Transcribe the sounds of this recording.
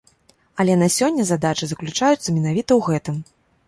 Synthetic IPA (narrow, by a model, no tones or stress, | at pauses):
ɐlʲɛnɐsʲɔnʲːɐzad̪at͡ʂɨzɐklʲut͡ʂajut̪sːɐmʲɛnavʲit̪ɐwɣɛt̪ɨm